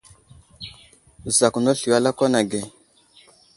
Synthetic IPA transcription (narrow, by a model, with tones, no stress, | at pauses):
za˨ku˨no˦ɬi˨wa˦la˦ko˦na˨ɡe˨